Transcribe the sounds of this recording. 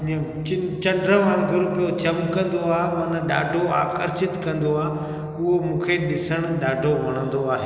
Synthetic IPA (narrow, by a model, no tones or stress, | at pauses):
ə̃ | ɪt͡ɕɐ̃ɳɖɾəʋãːŋɡʱɪɾpijot͡ɕɐmkɐ̃nd̪oaːɦemɐnə̆ɗa̰ːɖʱoa̰ːkəɾʃɪt̪kɐ̃nd̪oaː | ʊɦomũːkʰeɗɪsəɽ̃ɗaːɖʱoʋɐɽ̤̃ə̃nd̪oaːɦeː